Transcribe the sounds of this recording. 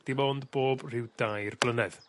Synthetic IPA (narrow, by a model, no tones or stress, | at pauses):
d̥imoːndboːbr̥ɪwd̥ajrb̥lˠənɛð̥